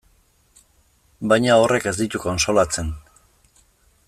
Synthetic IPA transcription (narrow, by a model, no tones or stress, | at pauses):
bajɲao̞rʔe̞ke̞zd̪it̪ukonso̞lat͡se̞n